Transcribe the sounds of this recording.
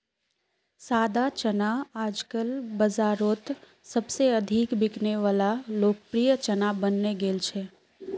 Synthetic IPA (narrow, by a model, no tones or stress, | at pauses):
saːd̪at͡ʃənaaːd͡ʒkəlbəzaːɾoːt̪ | sɐbseɐd̪ʱikbɪkneʋaːlaloːkpɾijət͡ʃɐnabənːeɡeːlt͡ʃʰeː